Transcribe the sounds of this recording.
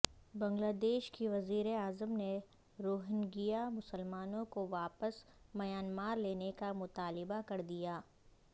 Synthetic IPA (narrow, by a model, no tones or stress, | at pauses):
bɐ̃ŋɡlaːd̪eːʃkiʋɐziːɾeaːzəmne | ɾoːɦɪnɡijamʊsəlmaːnõkoʋaːpəs | mɐjaːnmaːɾleːnekamʊt̪aːlɪbakɐɾd̪ijaː